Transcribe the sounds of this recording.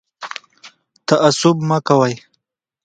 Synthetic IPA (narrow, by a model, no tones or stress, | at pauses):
t̪aʔasʊbmakawaj